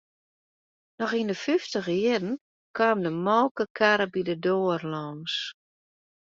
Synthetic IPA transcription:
nɔxindəfyftəɣəjɪdən̩ | kʰaːmdəmɔlˠkəkʰaɾəbidədoːərlɔːns

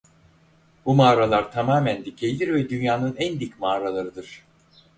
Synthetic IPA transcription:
bumaːɾalˠaɾt̪ʰamaːmænd̪icʰe̞jid̪ʲiɾvɛd̪ynjaːnɯnænd̪icmaːɾalˠaɾɯd̪ɯɾ̥

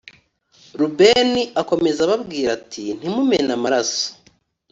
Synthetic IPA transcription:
ɾubeniʔako̞me̞zaβabɡiːɾatʰin̥imume̞namaɾaso̥

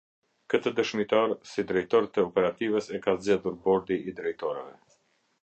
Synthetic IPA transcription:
kət̪əd̪əʃmit̪aɾsid̪ɾɛjt̪ɔɾt̪əɔpɛɾat̪ivəsɛkazd͡ʑɛðuɾbɔɾd̪iid̪ɾɛjt̪ɔɾɛvɛ

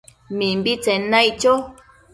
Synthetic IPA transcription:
mĩmbit͡senãit͡ʃo

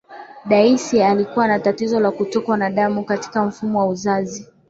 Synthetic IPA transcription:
ɗaisialikuwanatatizɔlakutɔkwanaɗamukati̥kam̩fumɔwauzazi

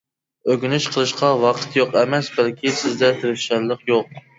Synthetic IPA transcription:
øɡʲynɪʃqʰəlˠɨʃqɑwɑqʰə̥t̪joqɛmɛsbælkʲisɪzd̪ɛt̪ʰeɾɪfʃæɾlˠəqjoq̚

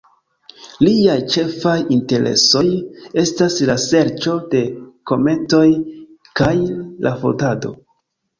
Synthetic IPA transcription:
liajt͡ʃe̞fajinte̞ɾʔe̞̰so̞je̞staslase̞ɾt͡ʃo̞de̞ko̞me̞nto̞j | kajlʔafo̰tado̞̰

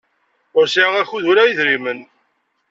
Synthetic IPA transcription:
ʊɾsiʕŋæçuðuɾæjiðɾimən

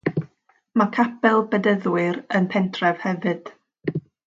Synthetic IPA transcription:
makʰapɛlˠbədəðwɨɾənpʰɛntʰrɛv̥hɛvɨd̥

